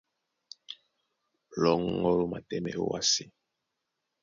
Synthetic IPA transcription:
lɔ˨ŋɔ˦lo˦ma˨tɛ˦mɛ˨o˦wa̰˦si˦

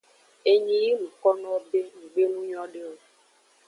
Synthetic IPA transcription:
e˨ɲĩ˨˦ji˦lũ˨kɔ˦nɔ̃˦be˦ŋũ˨ɡ͡be˦nũ˦ɲɔ̃˦ɖe˦o˦

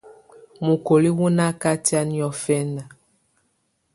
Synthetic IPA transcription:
mu˨ko˨li˦wu˦na˦ka˦ti˦a˦ni˦ɔ˦fɛ˦na˨

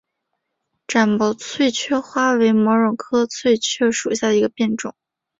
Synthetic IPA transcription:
ʈ͡ʂa˨˩npɑ˧˩ʊt͡sʰwe˥˧ɪt͡ɕʰɥɛ˥xwa˥we˧˥ɪmɔ˧˥ʊɻʊ˨˩ŋkʰɤ˥t͡sʰwe˥˧ɪt͡ɕʰɥɛ˥˩ʂu˨˩ɕja˥˩d̪ə˩i˧˥ɡə˧pjɛ˥˧nʈ͡ʂʊ˨˩˦ŋ

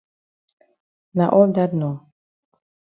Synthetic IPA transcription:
na˨ʔɔ˦d̪a˦d̪nɔ˨

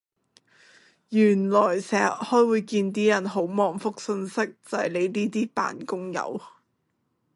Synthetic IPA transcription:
jyː˨˩nlɔː˨˩jsɛː˨˩ʔ̚hɔː˥jwuː˨˧jkiː˧nt̪iː˥jɐ˨˩nɦo˨˥wmɔː˨ŋfʊ˥k̚sɵ˧nsɪ˥k̚t͡sɐ˨jle˨˧jliː˥t̪iː˥pa̰ː˨nkʊ˥ŋjɐ̰˨˧˥w

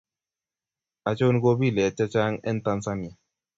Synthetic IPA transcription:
a˨t͡ʃo˦n˦ko˦bi˦˨lɛ˨t͡ʃa˦t͡ʃa˦ŋɛ̰˦nt̪a˧nsa˦ni˨a˨

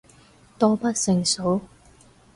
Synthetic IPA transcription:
t̪ɔː˥pɐ˥t̚sɪ˨˧ŋso˨˥w

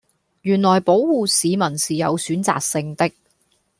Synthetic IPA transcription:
jyː˨˩nlɔː˨˩jpo˨˥wwuː˨˧siː˨˧mɐ˨˩nsiː˨jɐ̰˨˧wsyː˨˥nt͡sa̰ː˨k̚sɪ˧ŋt̪ɪ˥k̚

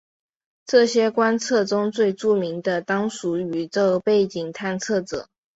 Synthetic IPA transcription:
ʈ͡ʂɤ˥˩ɕjɛ˥kwa˥nt͡sʰɤ˥˩ʈ͡ʂʊ˥ŋt͡swe˥˧ɪʈ͡ʂu˥˩mi˧˥ŋd̪ə˧t̪ɑ˥ŋʂu˧˥y˧˥t͡so˥˧pe˥˩ɪt͡ɕi˨˩ŋt̪ʰa˥˧nt͡sʰɤ˥˩ʈ͡ʂɤ̰˨˩˦

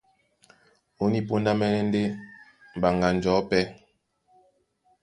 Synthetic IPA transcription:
o˦ni˦po˦nda˦mɛ˦nɛ˦n˦de˦ | m̩˨ba˨ŋɡa˨n̩˨d͡ʒɔ˨˦pɛ˦

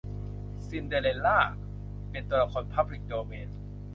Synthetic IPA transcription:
si˧nde˧le˧lːaː˥˩ | pe˧nt̪u˧ɐ˧la˧kʰɔː˧npʰa˦˥b̚li˦k̚doː˧meː˧n

